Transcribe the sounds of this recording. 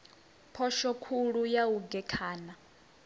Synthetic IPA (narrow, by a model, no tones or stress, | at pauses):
pʰɔʃɔkʰuɺujauɡɛkʰaːna